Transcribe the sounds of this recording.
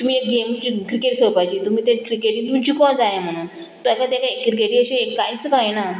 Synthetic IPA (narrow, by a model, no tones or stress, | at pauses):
t̪um̤iːekɡemt͡ɕikɾikeʈkʰeɭpajt͡ɕiːt̪um̤iːt̪ẽkɾikeʈĩd̪ud͡ʑʰikɔ̃d͡zajam̤əɽ̃uːn | t̪ãkat̪ekaekːkɾik̬eʈĩəɕĩekːajt͡skaena